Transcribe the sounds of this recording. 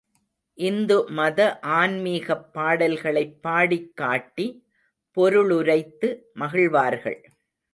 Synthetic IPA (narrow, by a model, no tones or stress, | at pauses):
ʔɪnd̪ɯmɐðɐʔaːnmiːɣɐpːaːɽɐlɣɐɭɐɪpːaːɽɪkːaːʈːi | pɔɾɯɭʊɾɐɪt̪ːɯmɐɣɪɭʋaːɾɣɐ̰ɭ